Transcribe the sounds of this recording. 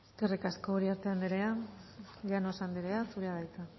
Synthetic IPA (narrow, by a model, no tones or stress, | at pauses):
eskerikasko̞ːɾiaɾt̪e̞and̪eɾe̞a | leanosand̪eɾeasuɾeaðajt͡s̪a